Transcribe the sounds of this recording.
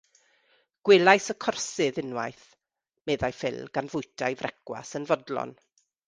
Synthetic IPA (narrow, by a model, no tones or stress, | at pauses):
ɡ̥wɪlˠajsɔkʰɔrsɨðɪnwajθ | mɛðajfɪ̰lˠɡ̥anvʊjtʰajvrʔɛkwa̰sənvɔdlɔ̰n